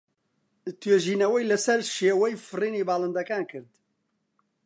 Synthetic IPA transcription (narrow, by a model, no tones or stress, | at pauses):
t̪ʰweːʒiːnɛwɛjlɨsɛɾʃeːwɛjfɨriːniːbaːlɨnd̪ɐkaːnkʰɨɾd̪